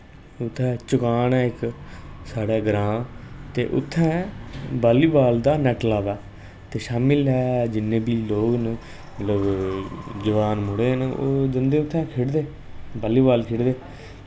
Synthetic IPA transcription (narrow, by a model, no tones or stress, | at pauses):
ʊt̪ʰːɛ̃ːt͡ʃʊkaːnɛːɪksaːɽeːɡɾãːt̪ḛːʔʊ̰t̪ʰːɛ̃ːbaːliːbaːld̪aːnɛːʈlaːd̪aː | t̪eːʃaːmɪlɦɛːd͡ʒɪnːẽːbiːloːkn | mət̪ləb | d͡ʒəʋaːnmʊɽeːɦəno̰ːd͡ʒənd̪eːʊt̪ʰːɛ̃ːkʰeɽd̪eː | baːliːbaːlkʰeːɽd̪eː